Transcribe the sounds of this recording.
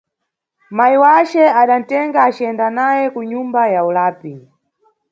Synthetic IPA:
maiwat͡ʃɛaɗan̩tɛŋɡaːt͡ʃiɛndanajɛkuɲumbajaulaːpi

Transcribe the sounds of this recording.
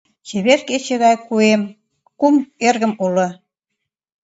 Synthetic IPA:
t͡ɕeβerket͡ɕĕɣɑjkuem | kumerɣə̆mulə̆

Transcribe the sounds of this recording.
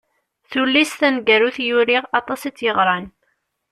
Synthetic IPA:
θulːisθænɡæɾuθjʊɾiʁɑt̪ˤɑsit͡sːjəʁɾˤɑn

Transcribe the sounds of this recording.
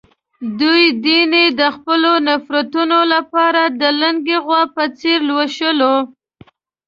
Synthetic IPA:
d̪ujd̪ined̪əxpəlonafɾat̪unolapɑɾad̪əlaŋɡeɣwɑpət͡seɾlwaʃəlo

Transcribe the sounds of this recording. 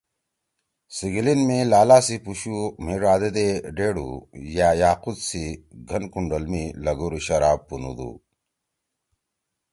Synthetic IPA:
siɡilinmẽlaːlaːsipuɕumiɾaːd̪ed̪eɖeːɽṵjaːjaːqud̪siɡʱɐnkuɳɖɐlmilɐɡuɾuɕɐɾaːbpunṵd̪ṵ

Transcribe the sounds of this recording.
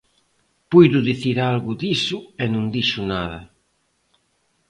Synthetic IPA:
pujðʊðiθiɾalɣʊðisʊenũŋd̪iʃʊnaðɐ

